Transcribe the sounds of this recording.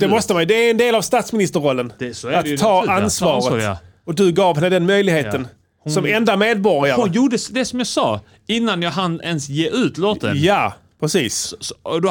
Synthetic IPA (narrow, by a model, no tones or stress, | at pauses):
d̪̥ɛmɔst̪əmajd̪ɛæɛnd̪eːlavst̪ɑːt̪smɪnɪst̪əɾɔlːənat̪ʰːɑːansvɑːɾət̪ | ɔd̪ɵɡɑːvɦɛnːəd̪ɛnmœjlɪɡheːt̪ən | sɔmɛnd̪ameːd̪̚bɔɾɪaɾʊənjuːɖəsd̪ɛsɔmjɑsɑː | ɪnːanjɑːɡɦanɛnsjeːʉ̟ːt̪loːt̪ə̰nja | pʰɾɛsiːsɔd̪